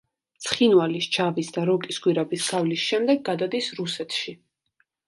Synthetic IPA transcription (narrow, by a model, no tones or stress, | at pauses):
t̪sʰχinwalist͡ʃʰavisd̪aɾɔkʼisɡwiɾabisɡ̥avlisʃɛmd̪ɛɡːad̪ad̪isɾusɛt̪ʰʃi